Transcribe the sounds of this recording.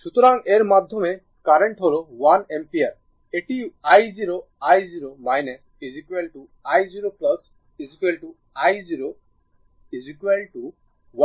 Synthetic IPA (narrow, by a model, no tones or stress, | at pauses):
ʃut̪ɔɾaŋeɾmad̪ʱjɔme | kaɾeɳʈɦoɾuwanempiaɾ | eʈiajziɾo | ajziɾomajnes | izikwelʈu | ajziɾoplʌs | izikelʈu | ajziɾo | izikwelʈu | wa